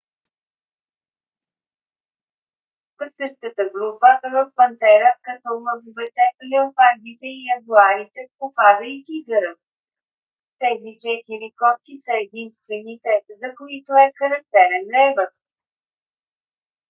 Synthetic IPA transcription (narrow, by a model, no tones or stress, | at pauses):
vəsət͡ʃkət̪əɡɾupəʔvɐfpɐnt̪ɛɾəkɐt̪ɔlˠɤɡovɛt̪ɛlɛopaɾd̪it̪ɛiɐd̪uaɾit̪ɛpopad̪əit̪iɡəɾə | t̪ɛzit͡ʃɛt̪iɾikɔt̪̚kisəɛd̪inst̪vɛnit̪ɛzɐkoit̪oɛxɐɾɐk̚t̪ɛɾɛnɾɛvət̪̚